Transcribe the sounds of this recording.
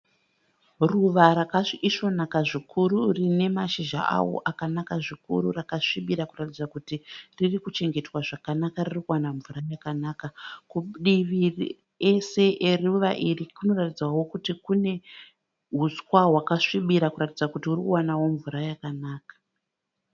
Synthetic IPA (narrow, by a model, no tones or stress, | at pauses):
ruʋaɾakaʂiʂo̞nakaʐikʰuɾurine̞maʃiʒa̰ʔa̰wo̰ʔakanakaʐikṵɾurakaʂiɓiɾakuratid͡zakutiririkut͡ʃe̞ŋɡe̞twaʐakanakaririkuwanaɱvuɾajakanaːkakuɗiʋir | ese̞ʔeriuʋa̰ʔirikuno̞ratid͡zwawo̞kutikune̞ | ɦuskwaɦwakaʂiɓiɾakuɾatid͡zakutiurikuwanawo̞ɱvuɾajakanaːkḁ